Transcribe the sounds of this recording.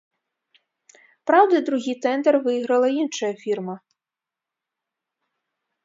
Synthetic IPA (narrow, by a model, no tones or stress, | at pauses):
pɾawd̪ɐd̪ɾuɦʲijt̪ɛnd̪ɛrʋɪjiɣɾɐlˠɐinʃɐjɐfʲirmɐ